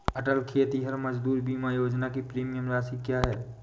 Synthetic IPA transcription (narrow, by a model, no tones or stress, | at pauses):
əʈəlkʰijət̪iɦəɾməd͡ʒd̪uːɾbimajoːd͡ʒnakipɾiːmijəmɾaːsikjaɦɛː